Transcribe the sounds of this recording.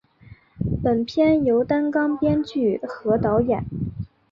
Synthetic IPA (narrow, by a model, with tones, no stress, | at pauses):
pə˨˩npʰjɛ˥njo˧˥ʊt̪a˥nkɑ˥ŋpjɛ˥nt͡ɕy˥˩xɤ˧˥t̪ɑ˧˥ʊjɛ˨˩˦n